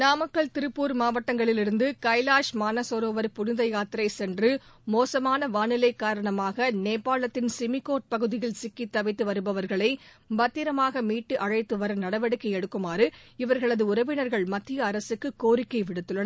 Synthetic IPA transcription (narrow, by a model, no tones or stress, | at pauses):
naːmɐkːɐɭt̪ɪɾɯpːuːɾmaːʋɐʈːɐŋɡɐɭɪlɪɾɯnd̪ɯkɐɪlaːʂmaːnɐsoːɾoːʋɐɾpʊnɪðɐɪjaːt̪ɪɾɐɪsɛndrɯmoːsɐmaːnɐʋaːnɪlɐɪkːaːɾɐɳɐmaːɣɐneːpːaːɭɐt̪ːɪnsɪmɪkːoːʈ̚pɐɣɯðɪjɪlsɪkːit̪ːɐʋɐɪt̪ːɯʋɐɾɯbɐʋɐɾɣɐɭɐɪ | bɐt̪ːɪɾɐmaːɣɐmiːʈːɯʔɐɻɐɪt̪ːɯʋɐɾɐnɐɽɐʋɛɽɯkːɐɪɛɽɯkːɯmaːɾɯɪʋɐɾɣɐɭɐðɯʊɾɐʋɪnɐɾɣɐɭmɐt̪ːɪjɐːɾɐsɯkːɯkːoːɾɪkːɐɪʋɪɽɯt̪ːɯɭːɐnɐ